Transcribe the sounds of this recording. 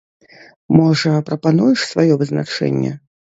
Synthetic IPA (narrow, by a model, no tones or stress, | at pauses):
mɔʐɐpɾɐpanujɛʂsvajɔvɨzna̰t͡ʂɛ̰nʲːɛ̰